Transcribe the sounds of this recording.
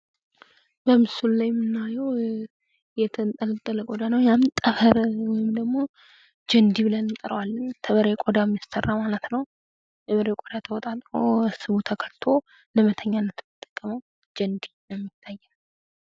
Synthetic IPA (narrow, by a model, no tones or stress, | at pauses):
bəmɨsullajmːɨnːajɛw | jɛt̪ʰənt̪ʼələt̪ʼːələkʼod̪anəwjamt̪ʼəβəɾwɔjɪmd̪əɡmo̞ | d͡ʒənd̪ibɨlənɨnt̪ʼəɾəwalːəɲt̪ʰəβəɾekʼod̪amːjast̪ʰərːamalət̪nəw | jɛβəɾekʼod̪at̪ʰəwɔt̪ʼat̪ʼɾosɨβut̪ʰəkʰəlt̪ʰo̞ | ləmət̪ʰəɲːanːət̪nːɨt̪ʼːə̥kʼːəməw | d͡ʒənd̪inəmːɪt̪ʰːajːɛn